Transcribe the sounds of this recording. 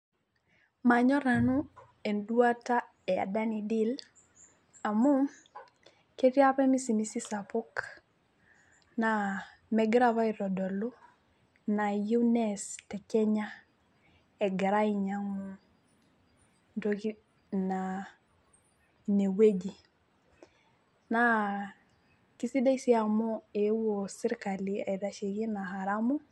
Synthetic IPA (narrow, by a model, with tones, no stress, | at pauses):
ma˨ɲɔ˦ɾa˨nu˦ | e˨ndwa˦ta˦ | ɛ˨a̰˨da˦ni˨di˦l | a˨mu˦m | ke˦ti˦a˦pɛ˦mi˦si˨mi˦si˦sa˨pɔ˦k | na˨ | mɛ˨ɡɾa˦βa˦i˨ɾɔ˨dɔ˨lu˦ | na˨ju˦nɛstɛ˨kɛ˦ɲa˦ | ɛ˨ɡa˨ɾa˦iɲa˦ŋɔ˦ | ndo˦ki˦ | na | ne˨we˦d͡ʒi˨ | na | ki˦si˦da˦isi˦a˨mɔ˦e˨wosi˦ɾka˨li˦a˨i˨da˨ʃe˨ki˦na˨ɦa˨ɾa˦mɔ˦